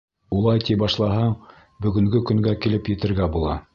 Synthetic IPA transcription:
ulˠɑjt̪ibɑʃlˠɑɦɑ | bɵ̆ɡɵ̆ŋɡɵkɵ̆ŋɡækilɘpjɘ̆t̪ɘ̆ɾɡæbulˠɑ

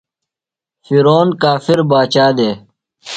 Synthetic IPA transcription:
fiɾoːnkaːfiɾbaːt͡ɕaːd̪eː

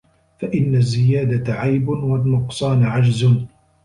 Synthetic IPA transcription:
faʔɪnːazːɪjaːd̪at̪ʕajbwalːʊqsˤɑːnʕad͡ʒzʊn

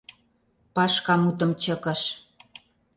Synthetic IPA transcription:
pɑʃkɑmut̪̬ə̆mt͡ɕə̆kə̆ʃ

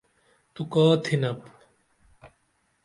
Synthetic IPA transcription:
t̪ukɔːt̪ʰinɐp

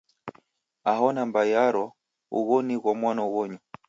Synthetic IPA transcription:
aɦɔnambajaɾɔ | ṵɣɔniɣwamwanawɔɲu

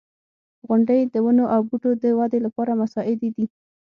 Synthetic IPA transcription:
ɣʊɳɖəjd̪əwənoʔawbuʈod̪əwɑd̪elapɑɾamasɑʔɪd̪ed̪i

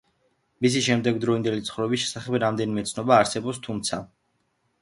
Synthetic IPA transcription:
mis̬iʃɛmd̪ɛɡd̪ɾɔind̪ɛlit̪sχɾɔbis̬ʃɛ̥saχɛbɾamd̪ɛnimɛt̪sʰnɔbaːɾsɛbɔpst̪ʰumt̪sʰa

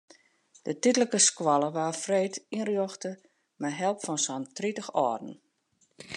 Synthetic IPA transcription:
d̥ətitələkəskwɔlˠəʋaːfreːtinrjoxtə | mɛɦɛlˠpfɔnsɔntritəxɔːdn̩

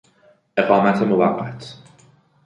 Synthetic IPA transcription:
ʔe̞ɢɒːmæt̪ʰemovæ̰ɢːæt̪ʰ

